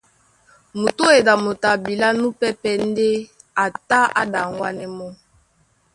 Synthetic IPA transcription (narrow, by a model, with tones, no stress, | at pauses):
mo˨to˦e˨da˨mo˨ta˨bi˨la˦nu˦pɛ˦pɛ˦n˦de˦ | a˨ta˦a̰˦da˨ŋɡwa˦nɛ˦mɔ˦